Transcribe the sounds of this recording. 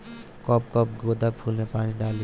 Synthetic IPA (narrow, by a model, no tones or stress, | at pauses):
kɔpkɔp̚ɡod̪apʰulnepaniɖali